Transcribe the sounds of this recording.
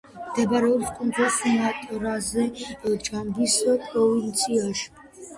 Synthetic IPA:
md̪̥ɛbaɾɛɔpskʼɔnd̪ɔlsinat̪ʼɔɾazɛd͡ʒambisəpʼɾɔvint̪sʰiaʃi̥

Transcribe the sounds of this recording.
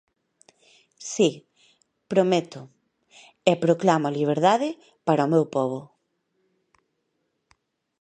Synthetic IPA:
si | pɾomet̪ʊ | ɛpɾoklamʊaliβ̞eɾðaðɪ | paɾaomewpɔβ̞o

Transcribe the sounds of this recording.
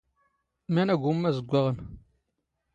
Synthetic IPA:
mænæɡʷumːæzəɡʷːaʁən

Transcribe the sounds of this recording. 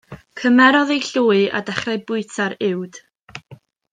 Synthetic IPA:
kʰəmɛɾɔðejɬuːɨa̰dɛχraɨbʊɨtʰaɾɪwd̥

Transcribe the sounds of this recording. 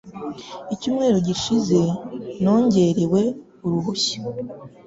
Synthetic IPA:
icuːmŋe̞ːɾoɟiʃize̞no̞ːɲɟe̞ɾewe̞ | uɾuhuçi̥

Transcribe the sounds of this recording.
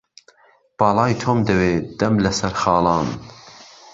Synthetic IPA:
b̥ɑːlɑːjt̪ʰoːmd̪ɐweːd̪̥ɐmlɐsɐɾxɑːlɑːn

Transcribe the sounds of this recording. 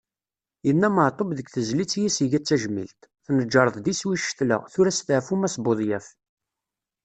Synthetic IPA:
jənːæməʕt̪ˤobðəɡθəzlit͡sːjisiʝæt͡sːæʒmḭlt̪θnəd͡ʒːɑɾˤəðˤðiswiʃːθlə̰ʁθʊɾæst̪əʕfumæsboðˤjæf

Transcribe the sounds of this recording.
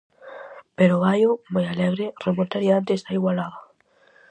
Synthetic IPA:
peɾoβajomojalɛɣɾɪremont̪aɾiant̪esaiɣwalaða

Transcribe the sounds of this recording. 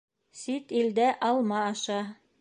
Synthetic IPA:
sit̪ild̪æʔɑlˠmɑːʃɑ

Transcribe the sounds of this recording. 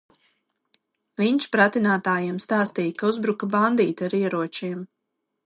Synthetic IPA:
viɲʃpɾat̪inaːt̪aːjiɛmst̪aːst̪iːjkauzbɾukaband̪iːt̪aɾiɛɾuɔt͡ʃiɛm

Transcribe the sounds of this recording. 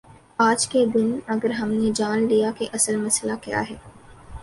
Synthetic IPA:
aːd͡ʒked̪ɪnɐɡəɾɦɐmned͡ʒaːnlijakeʔɐsəlmɐslakja̰ːɦɛː

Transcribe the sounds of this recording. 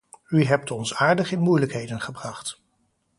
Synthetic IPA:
yɦɛp̚tɔnsaːɹdəχɪnmujləkɦejdənχəbrɑχt

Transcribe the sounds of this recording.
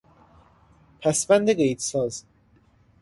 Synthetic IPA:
pʰæsbænd̪eɡejt̪sɒːz

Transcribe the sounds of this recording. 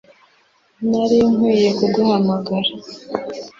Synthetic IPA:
naɾioŋwiːje̞kuɡuhamaɡaɾa

